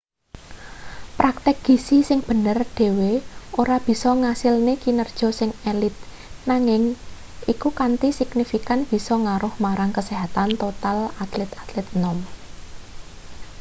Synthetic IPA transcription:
pɾak̚t̪ɪk̚ɡ̥i̤sisɪŋb̥ə̤nərɖ̥e̤weoɾab̥i̤sɔŋasɪlnekinərd̥ʒ̥ɔ̤sɪŋelɪt̪̚ | naŋɪŋ | ikukant̪isɪɡnifikanb̥i̤sɔŋaɾʊhmaɾaŋkəseɦat̪ant̪ot̪alat̪lɛt̪at̪lɛt̪̚nɔm

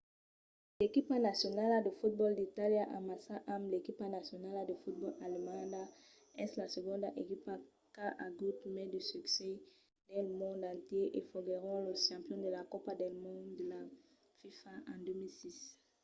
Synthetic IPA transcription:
lekipanasjɔnalad̪əfut̪̚bɔld̪it̪aljaʔamasaʔamlekipanasjɔnalad̪əfut̪̚bɔlalimãnda | ɛslasəɡɔ̃nd̪aʔekipa | kaʔaɡut̪mɛd̪ysyksɛ | dɛlmɔ̃nd̪ãnt̪jeʔefɔɡeʁɔ̃ləʃɑ̃pjɔ̃d̪əlakɔpad̪ɛlmɔ̃dd̪əla | fifaãd̪ømilsis

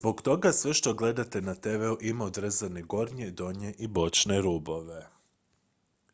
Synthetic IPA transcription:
zbo̞kt̪o̞ɡasʋeʃt̪o̞ɡle̞d̪at̪e̞nat̪eʋeuʔimaod̪ɾezaneɡo̞ɾɲed̪o̞ɲeʔibo̞t͡ʃneɾuːbo̞ʋe̞

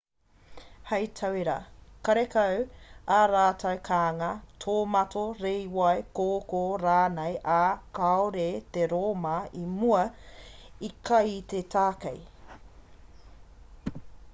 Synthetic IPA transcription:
hɐjtʰɐweɾɐ̰kɐɾekɐwaɾaːtʰɐwkʰaːŋɐtʰoːmɐtʰoɾejwɐjkoːkoɾaːnejʔakaoɾeteɾoːmɐimuɐ | ikʰɐjt̪etʰaːkḛj

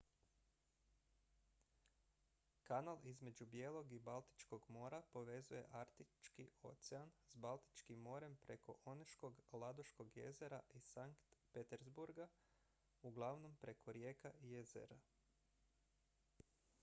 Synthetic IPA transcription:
kanalizme̞d͡ʒubje̞lˠo̞ɡibalˠt̪i̥t͡ʃko̞ɡmo̞ːɾapo̞ʋe̞zuje̞̰ʔaɾt̪it͡ʃkio̞̰t̪seansbalt̪i̥t͡ʃkimːo̞ɾe̞mpɾe̞ko̞̰ʔoneʃko̞ɡlˠad̪oʃko̞ɡje̞̰ze̞ɾaʔisaŋkt̪pet̪eɾzbuɾɡa | uɡlˠaʋno̞mpɾe̞kʰo̞ɾje̞ːkaijezḛɾa

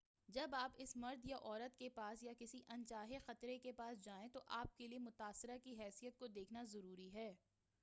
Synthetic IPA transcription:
d͡ʒɐbaːpɪsmɐɾd̪jaʔɔːɾət̪kepaːsjakɪsiʔɐ̃nt͡ʃaːɦexɐt̪ɾekepaːsd͡ʒaːẽt̪oʔaːp̚keliemʊt̪aːsɪɾakiɦɛːsijət̪̚kod̪eːkʰnazɐɾuːɾiɦɛː

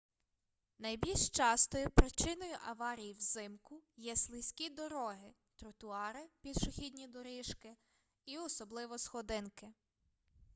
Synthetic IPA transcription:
nɐjbʲilʲʃt͡ʃɑst̪ɔjʊpɾɪt͡ʃɪnɔjʊʔɐʋɑɾʲijwzɪmkʊjɛslˠɪsʲkʲid̪ɔɾɔɦɪ | t̪ɾʊt̪ʊɑɾɪpʲid̪ʃʊxʲid̪ʲnʲid̪ɔɾɪʃkɪ | iɔsɔblˠɪʋɔsxɔd̪ɪnkɪ

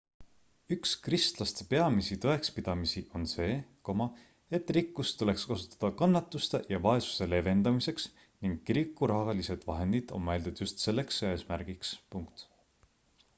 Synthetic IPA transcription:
ykskrist̪lɑst̪e̞pe̞ɑmisit̪oe̞kspid̪̥ɑmisiʔo̞nse̞ːkomɑ | e̞t̪ːˑrikːˑust̪ule̞kskɑsu̥t̪ːˑɑ̥d̪̥ɑkɑnːɑt̪ːˑust̪ejɑvɑe̞su̥se̞le̞ve̞nd̪̥ɑmise̞ks | niŋɡ̥ːiɾikːˑuɾɑhɑlise̞d̪̥vɑɦe̞nd̪̥id̪̥o̞̰nmæld̪ud̪̥just̪se̞lːe̞ksøesmæɾɡ̥ikspuŋkt̪

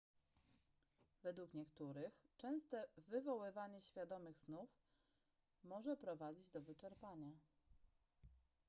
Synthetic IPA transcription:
vɛd̪wukɲɛkt̪uɾɘxt͡ʂɛ̃w̃st̪ɛvɘvɔwɘvaɲɛɕfʲjad̪ɔmɘɣsnuf | mɔʐɛpɾɔvad͡ʑid͡ʑd̪ɔvɘt͡ʂɛɾpaɲa

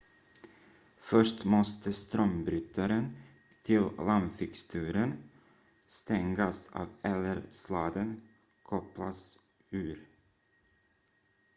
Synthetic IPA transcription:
fœʂʈmɔst̪əst̪ɾœmbɾʏt̪ʰaɾən | t̪ʰɪllamfɪkst̪ʰʉːɾən | st̪ɛŋɡasɑ̰ːvɛləɾslɑːd̪ən | kʰɔplas | ʉːɾ

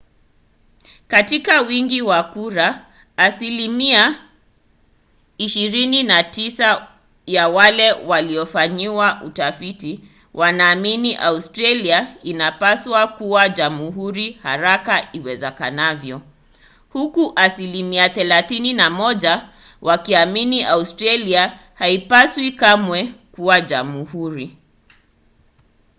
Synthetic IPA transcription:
katikawiŋɡiwakuɾaː | silimia | iʃiɾininatisa | jawalɛwaliɔfaɲiwaʔutafiti | wʔanaːminiʔaustɾaliainapaswakuwaʄamuɦuɾihaɾakaiwɛzɛkanavjɔ | hukuʔasilimiaθɛlaθininamɔʄa | wʔakiaminiʔaustɾalia | haipaswikamwɛkuwaʄamuhuɾi

